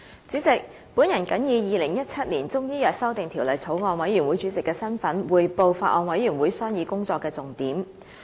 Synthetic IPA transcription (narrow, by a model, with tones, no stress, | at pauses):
t͡syː˨˥t͡sɪ˨k̚ | pu˨˥njɐ˨˩nkɐ˨˥njiː˨˧jiː˨lɪ˨˩ŋjɐ˥t̚t͡sʰɐ˥t̚liː˨˩nt͡sʊ˥ŋjiː˥jœː˨k̚sɐ˥wt̪ɪ˨ŋt̪ʰiː˨˩wlə˨jt͡sʰo˨˥wŋɔː˧nwɐ˨˥jɥyː˨˩nwuː˨˥jt͡syː˨˥t͡sɪ˨kːɛː˧sɐ˥nfɐ˨˥nwuː˨˧jpo˧wfaː˧ʔ̚ɔː˨˧nwɐ˨˥jɥyː˨˩nwuː˨˥jsœː˥ŋjiː˨˧kʊ˥ŋt͡sɔː˧kːɛː˧t͡sʊ˨ŋt̪iː˨˥m